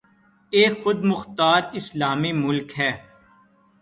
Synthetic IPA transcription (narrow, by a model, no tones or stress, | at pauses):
eːxʊd̪̚mʊxt̪aːɾɪslaːmimʊlkɦɛː